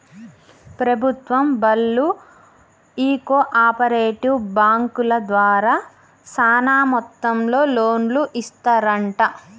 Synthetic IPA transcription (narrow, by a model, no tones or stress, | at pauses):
pɾɐbʱut̪ʋɐmbɐlːu | iːkoːʔaːpɐɾeːʈiwbaːŋkulɐd̪ʋaːɾaː | saːnaːmɔt̪ːɐmlo̞ːloːnluʔist̪aɾɐɳʈɐ